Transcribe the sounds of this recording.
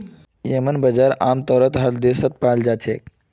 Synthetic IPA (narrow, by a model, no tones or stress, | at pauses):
jemənbəd͡zaɾa̰mt̪ɔɾət̪ɦat̪d̪esət̪̚pald͡ʒat͡ɕʰek